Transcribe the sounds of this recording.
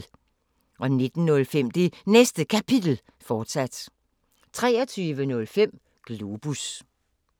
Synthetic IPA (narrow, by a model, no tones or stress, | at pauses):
ʔɒ̽ne̝d̥n̩ːɔ̽lfem̰d̥e̝nesd̥əkʰæpʰid̥l̩ | fɒːd̥sæd̥ | t͡sʰʁɛːɒt͡sʰyːʋənɔ̽lfem̰ | ɡ̥lub̥us